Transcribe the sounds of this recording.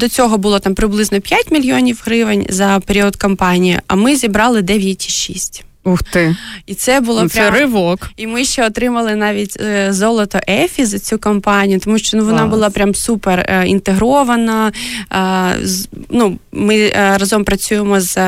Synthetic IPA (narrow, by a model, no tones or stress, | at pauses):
d̪ɔt͡sʲɔɦɔbʊlˠɔt̪ɑmpɾɪblˠɪznɔpʲjatʲmʲilʲjoɔnʲiwɦɾɪʋenʲzɐpeɾʲiɔd̪kɐmpɑnʲijḭʔɐmɪzʲibɾɑlˠɪd̪ɛʋʲjɐtʲiʃḭsʲtʲ | uxt̪ɪit̪sɛbʊlˠɔpɾʲɛɾɪʋɔkimɪʃt͡ʃɛɔt̪ɾɪmɐlˠɪnɑʋʲitʲzɔlˠɔt̪ɔʔɛfʲizɐt͡sʲukɐmpɑnʲijʊt̪ɔmuʃt͡ʃɔnuʋɔnɑbʊlˠɑpɾʲamsuperḭnt̪eɦɾɔʋɐnɐ | znumɪɾɐzɔmpɾɐt͡sʲujemɔz